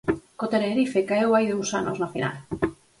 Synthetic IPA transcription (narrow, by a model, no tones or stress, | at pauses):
kot̪eneɾifekaewajðuwsa̰no̰znofḭnʔa̰l